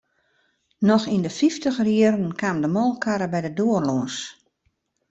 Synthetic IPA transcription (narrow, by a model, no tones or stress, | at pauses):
nɔxindəfiftəxrjiəɾən̩kʰaːmdəmɔlˠkʰaɾəbɛjdədoərloəs